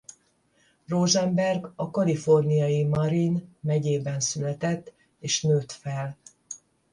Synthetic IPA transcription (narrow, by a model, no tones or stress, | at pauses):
roʒɛmbɛrɡɒkɒlifo̞rnijɒjimɒɾinmɛɟeːbɛnsylɛt̪ɛt̪ː | eːʃnøːt̪fɛl